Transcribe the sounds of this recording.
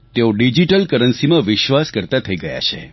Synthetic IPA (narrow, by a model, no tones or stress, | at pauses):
t̪eoɖid͡ʒiʈəlkəɾənsimãʋɪʃʋaskəɾt̪at̪ʰəiɡəja̰t͡ʃʰḛ